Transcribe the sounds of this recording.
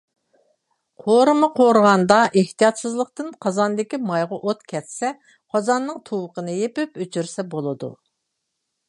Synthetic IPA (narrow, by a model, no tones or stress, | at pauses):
qʰoɾɨmɨqʰoɾʁɑnd̪ɑʔeht̪ijɑt̪sɨzlˠəqt̪ɨnqʰɑzɑnd̪ɪkʲimɑjʁɑʔot̪kʲʰɛt̪sɛ | qʰɑzɑnːɨŋt̪ʰuwəqənɨjepɪpyt͡ʃʰyɾsɛbolˠɨd̪ṵ